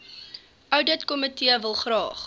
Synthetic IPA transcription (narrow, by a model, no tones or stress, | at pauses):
ʔœwdətkɔmətiəvəlˠχrɑːχ